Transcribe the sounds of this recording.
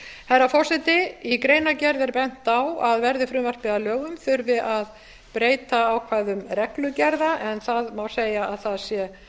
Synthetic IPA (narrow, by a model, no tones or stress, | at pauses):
hɛɾafɔr̥sɛt̪ɪikɾeːjnacɛɾðɛɾpɛn̥t̪awaðvɛɾðɪfɾʏːvar̥pɪðalœːɣʏmθʏɾvɪðað | pɾeːjt̪aːwkʰvaːjðʏmrɛklʏcɛɾðaʔɛnθaðmawseːjaaðθaðsjɛ